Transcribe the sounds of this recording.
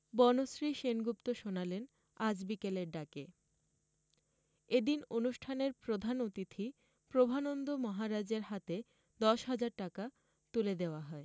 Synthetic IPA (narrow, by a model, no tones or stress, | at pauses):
bɔnosɾiʃenɡupt̪oʃonalen | ad͡ʑbikeleɾɖake | ed̪inonuʃʈʰaneɾpɾod̪ʱanot̪it̪ʰi | pɾobʱanond̪omɔɦaɾad͡ʑeɾɦat̪e | d̪ɔʃɦad͡ʑaɾʈaka | t̪uled̪eoaɦɔe